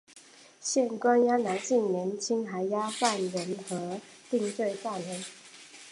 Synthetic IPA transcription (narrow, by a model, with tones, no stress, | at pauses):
ɕjɛ˥˩˨nkwa˦nja˦na˧˥nt͡ɕi˥˩ŋnjɛ˨˧˦nt͡ɕʰi˦˥ŋɦa˨˥˦ɪja˦fa˥˩nɻə˨˦˥nxɤ˧˦ | t̪i˥˧ŋt͡swe˥˧ɪt̪a˥˩nlə˨˥˦n